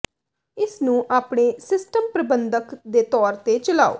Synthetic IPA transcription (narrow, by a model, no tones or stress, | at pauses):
ɪsnũːʔaːpɳeːsɪsʈəmpɾəbənd̪əkd̪eːt̪ɔːɾt̪eːt͡ʃəlaːo̰ː